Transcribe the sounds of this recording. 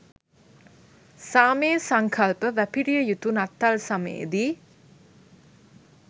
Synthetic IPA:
saːmeːsaŋkʰalpəʋæpiɾijəjut̪unat̪ːalsamə̰jḛd̪i

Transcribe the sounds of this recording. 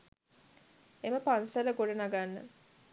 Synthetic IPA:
eməpansələɡoɖənaɡanːə̰

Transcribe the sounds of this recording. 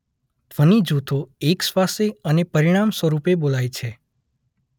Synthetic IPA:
t̪ʋənid͡ʒut̪ʰoeksʋaseənepəɾiɽ̃amsʋəɾupebolajt͡ʃʰe

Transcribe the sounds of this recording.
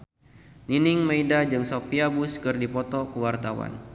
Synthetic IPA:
ninɪŋmaidad͡ʒɨŋsopiabʊskɨrdipɔt̪ɔkəwart̪awa̰n

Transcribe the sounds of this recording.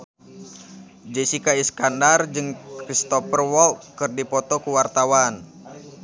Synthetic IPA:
d͡ʒɛsikaiskandard͡ʒɨŋkɾist̪ɔfərwɔlkɨrdipɔt̪ɔkuwart̪awan

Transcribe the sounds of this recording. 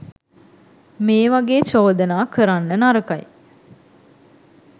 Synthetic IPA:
meːʋaɡeːt͡ʃoːd̪ənaːkəɾanːənaɾəkaj

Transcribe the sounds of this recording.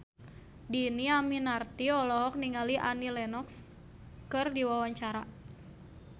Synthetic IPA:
diniaminart̪iɔlɔɦɔk̚niŋaliʔa̰nilɛnɔks | kɨrdiwawaɲt͡ʃaɾa

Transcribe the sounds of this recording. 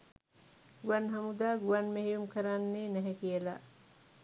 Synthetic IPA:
ɡuanɦɐmud̪aːɡuanmeɦijumkɐɾanːeːnɛɦɛkijəla̰

